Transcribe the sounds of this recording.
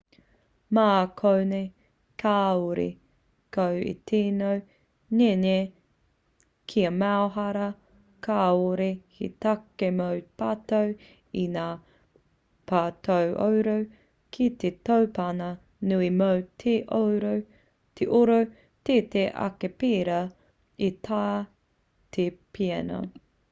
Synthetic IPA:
maːkʰownej | kʰaːuɾḭ | kowḭtʰenow | ɲeɲe | kʰiɐmaoɦɐɾɐ | kʰaːoɾihḭt̪akemowpatow | inaː | pʰaːtowʔo̰wɾow | kʰitetowpanɐ | nuimowtʰeʔowɾow | tʰeʔoɾow | teteʔɐ̰kepeːɾɐ | it̪ʰaː | tʰepʰiɐno̰

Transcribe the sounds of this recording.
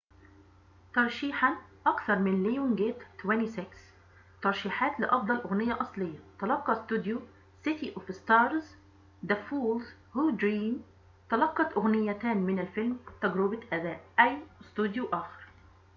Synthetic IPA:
t̪ɑɾˤʃiːħanʔɑkθɑɾˤmɪnlijunɡeːt̪t̪wɛnisɪks | t̪ɑɾˤʃiːħaːt̪lɪʔɑfd̪ˤɑlʔʊɣnɪjːaʔɑsˤlɪjːɑt̪ɑlɑqːɑst̪ud̪ju | sɪt̪iʔʊfst̪ɑːɾˤz | d̪æfuːlz | huːd̪ɾiːm | t̪ɑlɑqːɑt̪ʔʊɣnɪjːæt̪æːnmɪnælfɪlmt̪æɡɾʊbaʔæd̪æːʔʔæwst̪ud̪juʔæːxɪ̥ɾˤ

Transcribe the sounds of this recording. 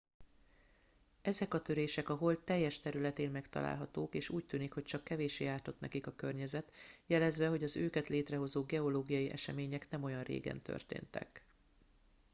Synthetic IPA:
ɛzɛkɒt̪ø̞ɾeːʃɛkɒɦo̞ltt̪ɛjːɛʃt̪ɛɾylɛt̪eːnmɛkt̪ɒ̰la̰ːlɦɒt̪oːkeːʃuːc̚t̪yːnikho̞c̚t͡ʃɒkːɛveːʃeːjaːrt̪o̞t̪nɛ̰kikɒkørɲɛzɛt̪jɛlɛzʋɛɦo̞ɟɒzøːkɛt̪leːt̪rɛɦo̞zoːɡɛo̞loːɡijɒjiʔɛʃɛmeːɲɛknɛmo̞jɒnrḛːɡɛ̰nt̪ʰø̰rt̪ḛːnt̪ɛ̰k

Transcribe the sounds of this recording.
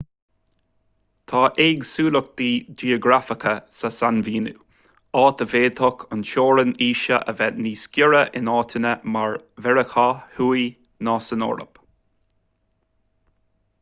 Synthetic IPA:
t̪ʰɑːʔeːɡsuːlʊk̚d̪̥iːd͡ʒiːoɡɾafəkʰəsasanviːnṵ | ɑːt̪əveːt̪ʰɔkʰʊnʃoːɾəniːʃəʔə̰vɛniːskʲjʊɹəʔɪnɑːt̪ʰənəmaɹ | vɛɹəxahuːi | nɑːsəno̰ːɾə̰p

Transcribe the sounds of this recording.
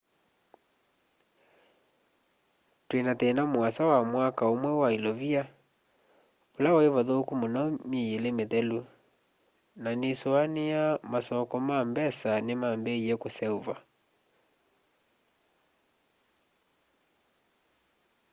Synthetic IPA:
twenatɛnamwasawamwakaomwɛwailɔvia | olaɔevaðoːkumonɔmejelemeðɛlu | nanesoanejamasɔkɔmambɛsanemambɛiɛkosɛuva

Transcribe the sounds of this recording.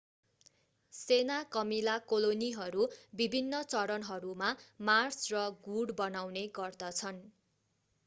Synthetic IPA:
senakʌmilakoloniɦʌɾubibʱinːʌt͡sʌɾʌnɦʌɾumamarsrʌɡuɽbʌnawneɡʌrd̪ʌt͡sʰʌn

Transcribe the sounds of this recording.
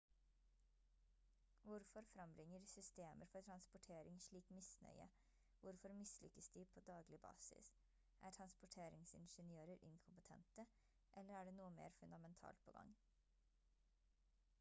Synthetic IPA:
ʋʊɾfɔɾfɾɑmbɾɪŋːəɾsʏst̪eːməɾfɔʈʰɾɑnspʊʈʰeːɾɪŋʂɭiːkmɪsnœ̰ʏə̰ | ʋʊɾfɔɾmɪslʏkəsd̪iːpʰoːd̪ɑːɡlɪbɑ̰ːsɪ̰s | ʔæːʈʰɾɑnspʊʈʰeːɾɪŋsɪ̰nʃənɪøːɾəɾʔɪ̰nkʰʊmpət̪ʰɛ̰nt̪ə | ʔɛlːəɾæːɖeːnuːəmḛːɾfʉnd̪ɑmɛnt̪ʰɑ̰ːlt̪̚pʰo̰ːɡɑ̰ŋ

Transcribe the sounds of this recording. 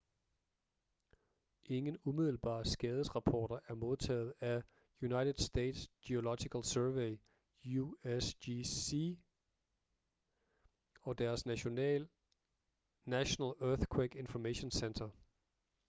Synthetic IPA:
ʔe̝ŋənumið̞̰ˠl̩b̥ɑ̰̈ːsɡ̥ɛːð̞ˠəsʁɑ̈pʰɒ̰ːɾ̥ɐʔæɐmo̝ð̞ˠt͡sʰɛ̰ːð̞̩ˠæ | junɑ̈ɪd̥ʰð̩ˠsd̥ḛːd̥sd̥io̝lɒ̥̽iɡ̥ʰælsœɐʋeɪ | uesii | ɒ̽d̥æɐsnonɛ̰ːl | næɕonɛlœɐθkʰweɡ̥e̝nfɒmeɕo̝nsend̥ʰɐ

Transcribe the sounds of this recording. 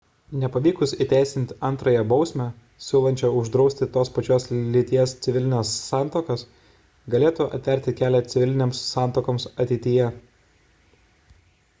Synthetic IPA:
nʲɛpɐʋʲiːkʊsit̪ʲæˑɪsʲɪnʲt̪ʲɐnˑt̪ɾɐjɛbɒʊsʲmʲæ | sʲuːlˠɐnʲt͡ʃʲɛʊʒd̪ɾɒʊsʲt̪ʲɪt̪oːspɐt͡ʃʲoːslʲɪt̪ʲiɛst̪sʲɪʋʲɪlʲɪnʲɛːsːɑːˑnˑt̪oːkɐs | ɡɐlʲeːt̪uʔɐ̰t̪ʲʋʲɛˑɾʲt̪ʲɪkʲæːlʲɛt̪sʲɪʋʲɪlʲɪnʲeːmsːɑˑnt̪oːkoːmsɐt̪ʲɛɪt̪ʲɪjɛ

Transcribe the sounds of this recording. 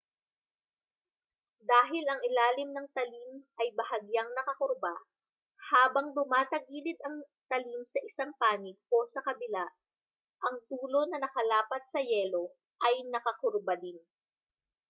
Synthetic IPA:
d̪aːɦɪlɐŋɪlaːlɪmnɐŋt̪ɐlimʔɐjbɐhɐɡjaŋnɐkɐkoɾba | haːbɐŋd̪ʊmaːt̪ɐɡiːlɪd̪ɐŋ | t̪ɐlimsɐʔɪsaŋpaːnɪɡ̚ʔo̞sɐkɐbɪlaʔ | ʔɐŋt̪uːlo̞nɐnɐkɐlaːpɐt̪̚sɐjɛlo̞ | ʔɐjnɐkɐkʊɾbɐd̪ɪn

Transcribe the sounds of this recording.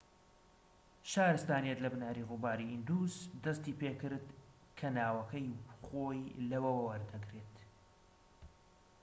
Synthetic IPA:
ʃaːɾɨst̪aːnijɛt̪lɐbnaːɾiɣʊbaːɾiʔind̪uːzd̪ɐst̪iːpeːkɨɾd̪ | kʰɐnaːwɐkɐjχoːjlɐwɐwɐwɐɾd̪ɐɡɾeːt̪

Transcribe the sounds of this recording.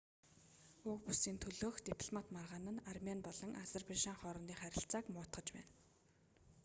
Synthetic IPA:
ʊk̚pusiːnt̪ʰɵɮoːxt̪epʰɮmat̪marʁaːnə̆narmʲanpɔɮɞ̆ŋʔazerpaʃaŋχɔɾɞ̆nt̪iːχæɾʲɪ̆ɬt͡saːkmʊːt̪ɢə̆t͡ɕpæ̰ːn

